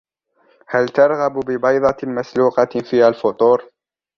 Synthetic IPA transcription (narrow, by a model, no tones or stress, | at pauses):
halt̪ɑɾˤɣɑbbɪbɑjd̪ˤɑmasluːqɑfiːhalfʊt̪ˤuːɾ